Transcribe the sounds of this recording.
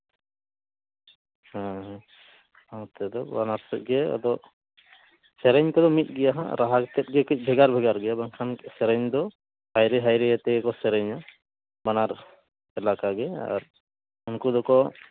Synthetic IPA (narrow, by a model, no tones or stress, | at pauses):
hãɦ | at̪ɛd̪ɔbanaɾsɛt̪̚ɡɛɔ̰d̪ɔ | sɛɾɛɲkɔd̪ɔmit̪̚ˀɡɛjaɦa̰ɾaɦakt̪ɛt̪̚ɡɛkic̚bʱɛɡaɾbʱɛɡaɾɡɛjabaŋkʰansɛɾɛɲd̪ɔ | hajɾɛɦajɾɛɛt̪ɛɡɛkɔsɛɾɛɲa | banaɾ | ɛlakaɡɛa̰ɾ | unkud̪ɔkɔ